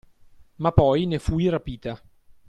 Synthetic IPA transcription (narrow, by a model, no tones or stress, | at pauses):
mapːɔjnefuiɾapiːt̪a